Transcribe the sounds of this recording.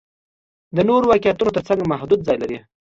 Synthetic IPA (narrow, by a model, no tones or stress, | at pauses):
d̪ənoɾowakijat̪unot̪əɾt͡saŋɡmaɦd̪ud̪zɑjlaɾi